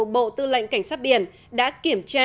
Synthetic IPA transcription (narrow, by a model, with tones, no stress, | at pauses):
ɓo̰˧˨t̪ɨ˧lə̰˧˨ŋka˧˩jŋ̟saː˦˥t̚ɓi˧˩ən | ɗa̰ː˧˥ki˧˩əmt͡ɕaː˧